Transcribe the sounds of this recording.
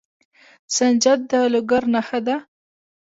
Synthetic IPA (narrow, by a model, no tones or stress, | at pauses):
sand͡ʒad̪̚d̪əlʊɡaɾnaxad̪a